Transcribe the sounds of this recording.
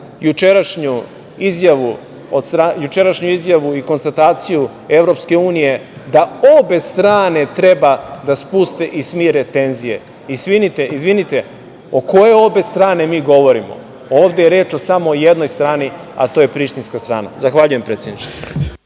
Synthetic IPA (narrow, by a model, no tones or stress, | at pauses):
jut͡ʃeɾaʃɲu | izjaʋu | od̪st̪ɾajut͡ʃeɾaʃɲuizjaʋuiko̞nst̪at̪aːt̪siju | e̞vɾo̞pske̞uːnije̞d̪ao̞be̞st̪ɾaːne̞t̪ɾe̞bad̪aspust̪e̞ʔismiɾe̞t̪e̞nzije̞̰ | isʋinit̪eizʋinit̪e̞ | oko̞je̞o̞be̞st̪ɾaːne̞miːɡo̞ʋo̞ɾimo̞̰ | oːʋd̪ejeɾe̞ːt͡ʃo̞samoːje̞d̪no̞jst̪ɾaːni | a̰t̪o̞ːjepɾiʃt̪inskast̪ɾa̰ːna̰zaxʋaʎuje̞mpɾet̪sjed̪nit͡ʃe